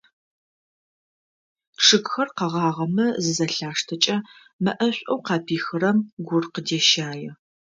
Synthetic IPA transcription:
ʈ͡ʂʰɨkxɐrqɐʁɑːʁɐmɐzɨzɐɬaːʂtʰɐt͡ʃʼɐ | mɐʔɐɕʷʼowqɑːpʰiːxɨɾɐmɡʷʊrqədeːʃaːjɛ

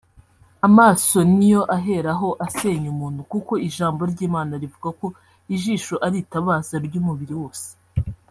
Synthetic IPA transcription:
amaːso̞nijo̞ʔaɦe̞ɾaɦo̞ʔase̞ɲumuːn̥hukuko̞iʒaːmbo̞ɾɟiːmaːnaɾivuɡako̞ | iʒiːʃoʔaɾitaβaːzaɾɟuːmuβiɾiwo̞ːse̥

